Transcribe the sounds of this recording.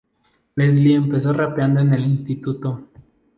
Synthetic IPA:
lezliempe̞so̞rapjand̪oene̞linst̪it̪ut̪o

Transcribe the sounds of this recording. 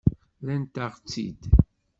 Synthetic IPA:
lænt̪aʁt͡sːḭd̪

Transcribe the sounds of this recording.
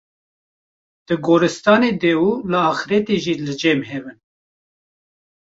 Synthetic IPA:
d̪̥ɨɡoːɾɨst̪ɑːneːd̪ɛwulɨɑːxɾɛt̪eʒiːlɨd͡ʒɛmɦɛvɨn

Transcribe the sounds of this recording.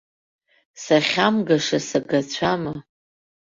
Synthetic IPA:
saχʲamɡaʂasaɡat͡ɕʷʰama

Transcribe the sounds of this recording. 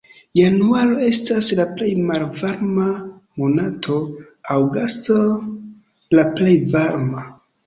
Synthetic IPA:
januaɾo̞e̞staslaple̞jmalvaɾmamo̞natʰo̞ | awɡasto | laple̞jvaɾma

